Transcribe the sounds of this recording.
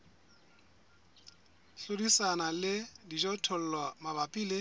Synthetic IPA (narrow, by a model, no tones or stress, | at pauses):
ɬodisanalɪdid͡ʒɔtʰɔl̩lwamabapʼiːle